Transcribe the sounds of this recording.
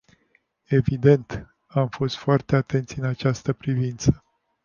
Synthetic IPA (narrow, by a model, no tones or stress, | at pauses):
e̞vid̪e̞nt̪ | amfo̞st̪foart̪e̞at̪e̞nt̪sʲɨnat͡ʃast̪əpɾivint̪sə̥